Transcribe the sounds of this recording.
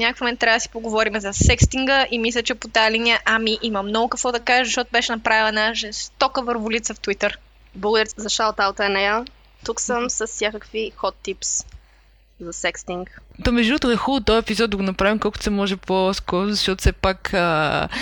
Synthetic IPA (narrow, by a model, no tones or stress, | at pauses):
nʲakəfmomɛnt̪ːɾavəd̪əsi̥poɡovɔɾimɛzɐsɛkst̪iŋɡəʔimislʲət͡ʃɛpot̪ajɐlinijəʔamiʔimɐmnɔɡʊkəkvɔd̪ɐkaʒɛzɐʃt̪ɔt̪ʊbɛʃɛnɐpɾavilˠnəʒɛst̪ɔkəvəɾvʊlit̪səft̪wit̪əɾ | blˠəɡʊd̪əɾʲɛzɐʃawt̪awt̪əɛnɛɛlˠ | t̪uksəmsəsːjakəkvixɔt̪ːips | zɐsɛkst̪iŋkt̪omɛʒd̪unot̪oɛxulˠʊt̪ɔvɛpizɔd̪d̪ːɐɡonɐpɾavimkɔlˠkʊt̪sɛmɔʒɛposkɔɾʊzɐʃt̪ɔt̪ʊ̥fsɛpakə